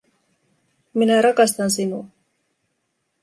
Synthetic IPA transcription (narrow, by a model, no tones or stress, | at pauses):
minaɾakɑst̪ansinu